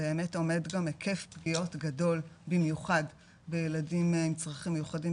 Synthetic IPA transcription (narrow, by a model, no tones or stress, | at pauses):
eːme̞to̞me̞dɡamekʰe̞fpɡio̞tɡado̞lbimjuχad | bejeladimmit͡sʁaχimːejuχadi